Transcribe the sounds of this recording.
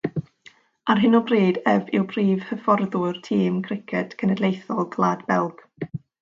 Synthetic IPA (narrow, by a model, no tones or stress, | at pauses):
arɦɪnɔbreːdɛvɪwbriːv̥həfɔrðʊrtʰiːmkʰrɪkʰɛd̥kʰənɛdlˠejθɔlˠɡlˠaːdbɛlˠɡ̥